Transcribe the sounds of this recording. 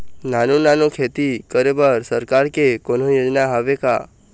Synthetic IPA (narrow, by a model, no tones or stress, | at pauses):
nanunanokʰet̪ikəɾebəɾsəɾkaɾkekonojod͡ʒnaɦaʋeka